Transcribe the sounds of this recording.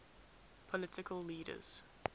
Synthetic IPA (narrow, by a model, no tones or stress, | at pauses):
pʰɔlɪtɪkʰəlˠːiːɾə̰z̥